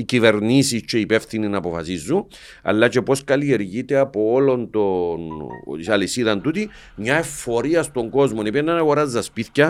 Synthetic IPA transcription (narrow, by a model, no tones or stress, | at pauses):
icive̞ɾnisist͡ʃe̞ipe̞fθininɐpo̞fɐsizːun | ɐ̰lːɐt͡ʃe̞po̞skɐlie̞ɾʝit̪e̞apo̞olo̞nt̪o̞nsɐlisiðɐnt̪ut̪i | mɲae̞fːo̞ɾiɐst̪o̞ŋɡo̞zmo̞nipienːanaɣo̞ɾazːɐspiθcɐ